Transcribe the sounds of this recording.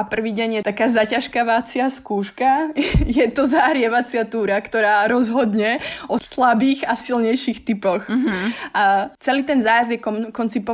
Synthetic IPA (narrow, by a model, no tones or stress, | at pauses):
apr̩ʋiːɟɛɲjɛt̪akaːzacaʃkaʋat͡sɪaskuːʃkajɛt̪ɔzaɦɾɪɛʋat͡sɪat̪uːɾakt̪ɔɾaːɾɔzɦɔd̪ɲɛɔslabiːɣasilɲɛjʃixt̪ipɔx | at͡sɛliːt̪ɛnzaːjazjɛkɔkɔnt͡sipɔ